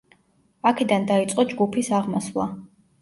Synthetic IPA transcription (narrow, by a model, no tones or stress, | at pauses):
akʰɛd̪and̪ait̪sʼqʼɔd͡ʒɡupʰisaʁmasvlˠa̰